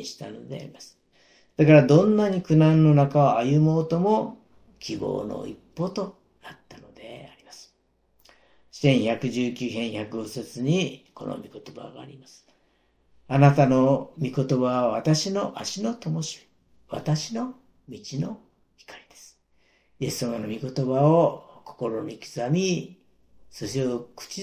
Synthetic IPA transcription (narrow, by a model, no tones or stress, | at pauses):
iɕi̥t̪ano̞̰d̪e̞̰a̰ɾimasɨ̥ | d̪̥akaɾad̪õ̞nːaɲ̟ikɯ̟nãnːo̞nakaoajɯmo̞ːt̪o̞mo̞ | kʲʰibo̞̰ːno̰ḭpːo̞ːt̪o̞ | nat̪ːano̞d̪e̞̰aɾʲimasɨ̥ | sẽ̞ɰ̃çakɯ̟ʑɨːkʲɨːɦẽ̞ɰ̃çakɯɡoset͡sɨɲ̟iko̞̰no̰mʲiko̞t̪o̞ba̰ɡa̰ːɾʲimasɨ̥ | anat̪ano̞mʲiko̞t̪o̞baβaβat̪aɕino̞ʔaɕino̞t̪o̞mo̞ɕi̥ | βa̰t̪aɕino̞ | mʲit͡ɕino̞ | çi̥kaɾʲid̪̥e̞sɨ̥ | je̞sːamanomʲiko̞t̪o̞baoko̞̥ko̞ɾo̞ɲʲikʲi̥zamʲi | soɕiokɯ̥t͡ɕi